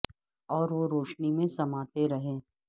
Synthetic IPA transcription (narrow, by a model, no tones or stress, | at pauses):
ɔːɾʋoɾoːʃnimẽsɐmaːt̪eɾɐɦẽː